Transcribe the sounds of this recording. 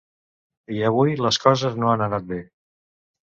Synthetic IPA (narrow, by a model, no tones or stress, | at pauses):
iəβ̞ujləskɔzəznoanənat̪̚be